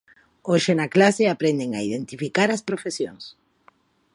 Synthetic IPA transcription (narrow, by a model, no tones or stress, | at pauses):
oʃenɐklaseapɾend̪eŋa̰iðent̪ifikaɾɐspɾofesjoŋs